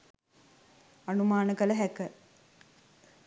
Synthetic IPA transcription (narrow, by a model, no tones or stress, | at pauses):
anumaːnəkələɦækə